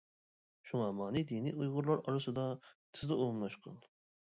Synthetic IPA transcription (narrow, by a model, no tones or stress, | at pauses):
ʃuŋɑmɑːnid̪inḭujʁʊɾlˠɑɾɑɾɨsɨd̪ɑt̪ʰɪzd̪ɨumlˠɑʃqʰɑ̰n